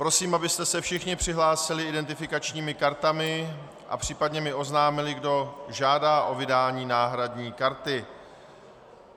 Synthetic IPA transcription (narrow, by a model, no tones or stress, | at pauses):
pɾo̞siːmʔabɪst̪ɛsɛfʃɪxɲɪpr̝̥ɪɦlaːsɪlɪɪdɛnt̪ɪfɪkat͡ʃɲiːmɪkaɾt̪amɪ | ʔa̰pr̝̥iːpadɲɛmɪʔo̞znaːmɪlɪɡdo̞ʒaːdaːʔo̞vɪdaːɲiːnaːɦɾadɲiːkaɾt̪ɪ